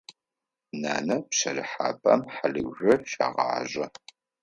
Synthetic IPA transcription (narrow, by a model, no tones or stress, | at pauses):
naːnɐpɕɐrɨħa̰ːpʼɐmħalɨwʷʒʷɐrʃa̰ːʁɑ̰ːʑʼɐ